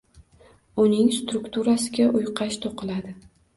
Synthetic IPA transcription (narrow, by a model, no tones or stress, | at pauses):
ʊnɪŋst̪ɾʊkt̪ʰuɾasɪɡʲaʔʊjqʰɑʃt̪ʰoqɨlad̪ɪ